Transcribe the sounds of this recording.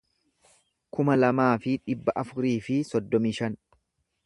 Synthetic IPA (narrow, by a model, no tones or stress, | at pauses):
kʊmɐlɐmaːfɪᶑɪbːɐʔɐfʊɾiːfɪsɔd̪ːɔmiːʃɐn